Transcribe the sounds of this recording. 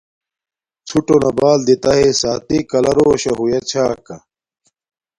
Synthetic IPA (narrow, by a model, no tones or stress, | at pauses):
t͡sʰuʈonɐbaːld̪it̪ɐɦesaːt̪ikɐlɐɾoːɕɐɦujɐt͡ɕʰaːkɐ